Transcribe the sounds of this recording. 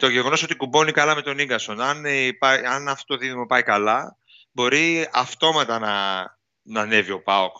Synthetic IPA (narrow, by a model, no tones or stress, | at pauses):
t̪o̞ʝeɣo̞no̞so̞t̪ikubo̞nikɐlɐme̞t̪o̞niŋɡɐso̞nɐnpɐɐnɐft̪ot̪oðiðimo̞pɐikɐlɐ | bo̞ɾiɐft̪o̞mɐt̪ɐnɐ | nɐne̞vio̞pɐok